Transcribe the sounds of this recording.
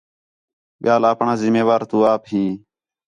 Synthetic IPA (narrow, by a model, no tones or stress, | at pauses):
ɓɪjaːlaːpɳãːzɪmeːʋaːɾt̪ũːaːpɦĩː